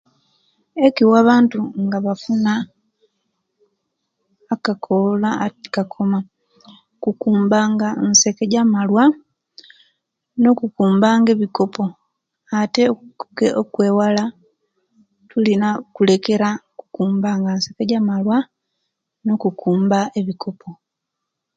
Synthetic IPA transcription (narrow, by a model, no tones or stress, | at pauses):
e̞kiwaβaːntuŋɡaβafuna | kakʰolakakʰo̞ma | kukuːmbaːŋɡanse̞keɟamalwa | no̞kukuːmbaːŋɡe̞βiko̞po̞ | ate̞okuɡeʔokwe̞ːwala | tulinakule̞ke̞ɾaku̥kuːmbaːŋɡansekeɟamalwa | no̞kukuːmbae̞βikʰo̞pʰo̞